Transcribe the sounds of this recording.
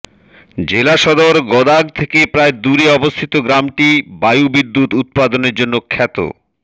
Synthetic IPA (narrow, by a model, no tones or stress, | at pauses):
d͡ʑelaʃɔd̪oɾɡɔd̪aɡ̚t̪ʰekepɾaed̪uɾiɔbost̪ʰit̪oɡɾamʈibajubid̪ːut̪ut̪̚pad̪oneɾd͡ʑonːokʰɛt̪o̰